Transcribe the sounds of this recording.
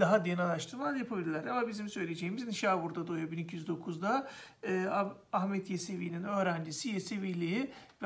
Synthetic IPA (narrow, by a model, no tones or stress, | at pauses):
d̪aɦad̪enalˠaʃt̪ʰɯmˠajapʰabilʲilʲæɾamabizimsø̞jlʲed͡ʒejimizniʃaːbuɾd̪ad̪ojobinicʰijyzd̪o̞kʰuzd̪aː | ahmɛt̪ʰjeseviːninø̞ːɾænd͡ʒisijeseviːlʲiiv